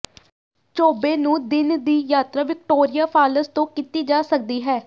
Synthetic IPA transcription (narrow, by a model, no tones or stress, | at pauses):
t͡ʃoːbeːnũːd̪ɪnd̪iːjaːt̪ɾaːʋɪk̚ʈoːɾɪjaːpʰaːləst̪õːkit̪iːd͡ʒaːsək̚d̪iːɦɛː